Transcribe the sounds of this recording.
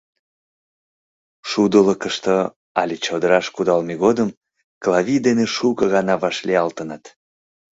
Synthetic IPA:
ʃud̪ələkəʃt̪ə | ɑlʲit͡ɕod̪əɾɑʃkud̪ɑlmeɣod̪əm | klɑvʲid̪eneʃukəɣɑnɑβɑʃliɑlt̪ənət̪

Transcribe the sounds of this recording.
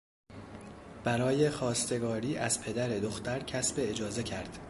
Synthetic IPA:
b̥æɾɒːje̞xɒːst̪e̞ɡɒːɾiːʔæz̥pʰe̞d̪æɾe̞d̪o̞xt̪æɾcʰæsbe̞ːd͡ʒɒːze̞cʰæɾd̪̥

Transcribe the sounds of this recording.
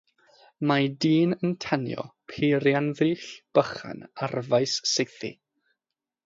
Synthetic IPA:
madiːnəntʰanjɔ̰pʰeːɾjanðɨːɬb̥əχa̰narvajsːɪjθḭ

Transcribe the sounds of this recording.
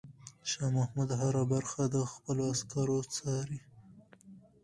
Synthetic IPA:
ʃɑmahmud̪ɦaɾabaɾxad̪əxpəloaskɑɾot͡sɑɾi

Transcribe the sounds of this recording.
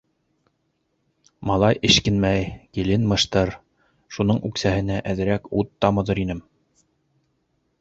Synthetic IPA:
mɑlˠɑjʔɘ̆ʃkɘ̆nmæjkilɘnmɤ̆ʃt̪ɤɾ | ʃunɤɴʉksæhɘ̆næʔæðɘ̆ɾækut̪ːɑmɤ̆ðɤɾinɘm

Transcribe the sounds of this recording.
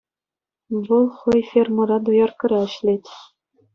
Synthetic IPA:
ʋɤlˠχɤ̆jfʲermɤ̆ɾɑd̪ŏjɑrkɤ̆ɾʲɑɘ̆ɕlʲet̪ʲ

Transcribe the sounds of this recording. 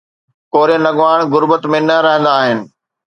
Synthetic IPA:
koːɾenɐɡʋaːɽ̃ɡʊɾbət̪mẽnɐɾɐɦə̃nd̪aːɦɪnɪ̆

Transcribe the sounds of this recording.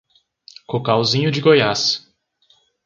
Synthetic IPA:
kokawzĩɲʊd͡ʒɪɡojas

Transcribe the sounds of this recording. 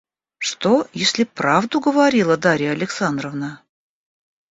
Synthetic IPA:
ʂt̪ojesʲlʲɪpɾavd̪ʊɡəvɐɾʲilˠəd̪aɾʲɪjəɐlʲɪksand̪ɾəvnə

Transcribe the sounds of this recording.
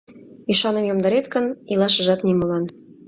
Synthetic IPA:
iʃɑnə̆mjomd̪ɑɾet̪kə̆nilˠɑʃɤ̆ʒɑt̪nimɤlɑn

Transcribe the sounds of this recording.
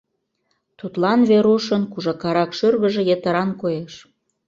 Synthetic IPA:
t̪ut̪lɑnβeɾuʃənkuʒɑkɑɾɑkʃørɣəʒĕjet̪əɾɑnkojeʃ

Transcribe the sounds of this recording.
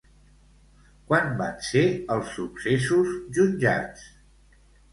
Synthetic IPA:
kwanbanseəlˠsːuksesuzʒunʲʒa̰t͡s

